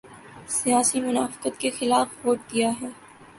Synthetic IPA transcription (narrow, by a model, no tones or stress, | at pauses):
sijaːsimʊnaːfɪ̥qət̪kexɪlaːfʋoːʈ̚d̪ijaɦɛː